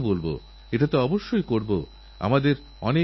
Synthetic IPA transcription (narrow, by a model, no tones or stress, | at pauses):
bolbo̰ | eʈat̪oɔboʃːojkoɾbo | a̰mad̪eɾ | ɔ̰ne